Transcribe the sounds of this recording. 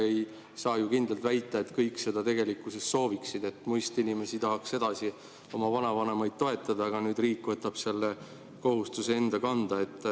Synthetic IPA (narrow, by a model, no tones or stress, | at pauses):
ej | sɑːjukind̪̥elt̪væjt̪ːˑɑet̪kɤjkːˑse̞d̪̥ɑt̪e̞ɡ̥e̞likːˑusesso̞ːviksid̪̥e̞t̪ːˑmujst̪inime̞sit̪ɑɦɑkse̞d̪̥ɑsi | o̞mɑvɑnɑvɑne̞mɑjd̪̚t̪o̞e̞t̪ːˑɑd̪̥ɑːɡ̥ɑnyːd̪riːkːˑvɤt̪ːˑɑb̥se̞lːe | ko̞ɦust̪usee̞nd̪̥ɑkɑnd̪̥ɑe̞t̪ːˑ